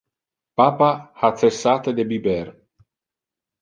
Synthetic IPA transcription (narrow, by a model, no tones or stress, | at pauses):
paːpahat̪sesːaːt̪ed̪ebibɛr